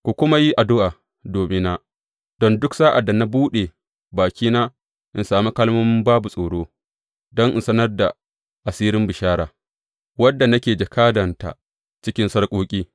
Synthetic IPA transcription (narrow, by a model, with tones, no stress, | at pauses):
kʷu˨kʷʊ˦ma˦ji˦ʔa˨dʊ˦ʔaː˨ | doː˨mɪ˦na˦ | d̥ɔ˦ndʊ˦ksaː˦ʔa˨dːa˨na˦buː˦ɗe˨ | baː˨kʲiː˦naː˦ | ʔɪ˨nsaː˨mi˦kɐ˦lmo˦m˦baː˦bu˨sʼoː˨ɽoː˦ | dɔ˦ŋʔɪ̰˨nsɐ˦nɐ˦rda˨ | ʔa˨siː˦ɾɪ˦mbɪ˨ʃaː˦ɽaː˨ | wɐ˦dːa˨nɐ˦kʲeː˨d͡ʒɐ˨kʰaː˦dɐ˨nta̰˨ | t͡ʃɪ˦kʲɪ˦nsɐ˦ɽkʷʼoː˦kʲʼiː˦